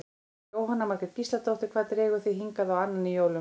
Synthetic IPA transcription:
oːwɦanːamaɾ̥kɛt̪cist̪at̪owht̪ɪ̥ɾkvaːt̪ɾɛːɣʏθiɦiŋkaðawanːanːɪjowlʏ

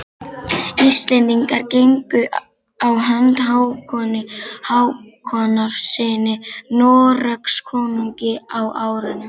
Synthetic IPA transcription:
ist̪lɛnt̪iŋkaɾcejŋkʏ | awɦant̪ɦaːwkʰɔːnɪhawkʰɔnaɾ̥sɪːnɪnɔːɾœkskʰɔːnuɲcɪawaːwɾʏnːʏ

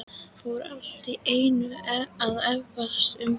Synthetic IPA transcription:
fowɾal̥t̪ɾieːjnʏaðɛvvast̪ʏm

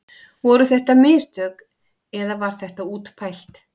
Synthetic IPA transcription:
vɔɾʏθɛht̪amɪːst̪œk | ɛðavaɾ̥θɛht̪auːt̪pʰajl̥t̪

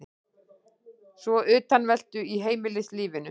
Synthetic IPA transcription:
svɔʔʏːt̪anvɛl̥t̪ʏiɦeːjmɪlɪsliːvɪnʏ

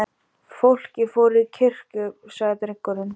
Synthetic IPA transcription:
fowl̥cɪfɔːɾðcʰɪr̥kʏsaɣɪt̪ɾɪkːɔɾʏn

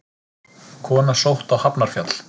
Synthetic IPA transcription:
kʰɔːnasowht̪awhapnaɾ̥fjat̪l̥

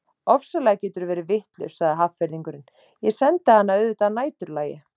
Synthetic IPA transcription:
ɔfsalɛːɣacɛːt̪ʏɾvɛːɾɪvɪht̪lʏ̰̥saɣðɪɦaffɛɾðiŋkʏɾɪn | jɛsɛnt̪ahanːaœðʏt̪anaːjt̪ʏɾlaːjɪ

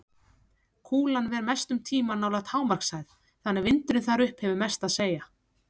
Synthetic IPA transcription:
kʰuːlanvɛɾmɛst̪ʏmt̪ʰiːmanaːwlaɣt̪haːwmaɾ̥ksaːjð | θanːɛɣvɪnt̪ɾʏnθaɾʏhphɛvʏmɛst̪aðseːja

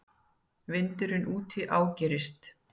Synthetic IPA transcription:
vɪnt̪ʏɾʏnʔuːt̪ʰɪʔaːwcɛːɾɪst̪

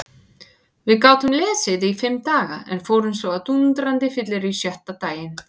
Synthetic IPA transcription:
vɪðkaːwt̪ʏmlɛːsɪðɪifɪmːt̪aːɣa̰ɛ̰nfoːwɾʏmsvɔat̪unt̪ɾant̪ɪfɪt̪lɪɾisjœht̪at̪aːjɪn

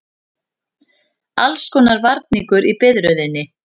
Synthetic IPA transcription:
a̰lskɔːnaɾvaɾt̪niŋkʏɾipɪðɾœɥðɪnːɪ

